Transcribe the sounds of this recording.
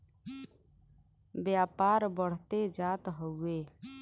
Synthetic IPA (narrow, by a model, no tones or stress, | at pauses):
bjaːpaːɾbəɽ̤t̪ed͡ʒaːt̪ɦəeː